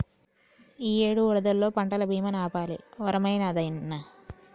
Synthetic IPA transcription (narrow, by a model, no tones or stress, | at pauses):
iːe̞ːɽuuɽɐd̪ɐlːo̞ːpɐɳʈɐlɐbʱiːmɐnaːpaːlḭʋɔɾɐmɐjnɐːd̪ɐjnːɐ